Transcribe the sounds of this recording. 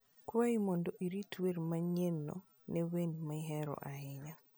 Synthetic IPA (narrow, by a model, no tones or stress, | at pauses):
kwaimɔndɔʔiɾitʰweɾmaɲenːɔ̰ | nɛwenmaɦɛɾɔ̰ʔaɪɲa